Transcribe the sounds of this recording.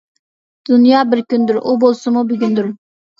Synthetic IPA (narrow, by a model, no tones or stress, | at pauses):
d̪̥ʊnjɑbɪɾkʲynd̪yɾʔubolˠsɨmʊbʏɡʲynd̪yɾ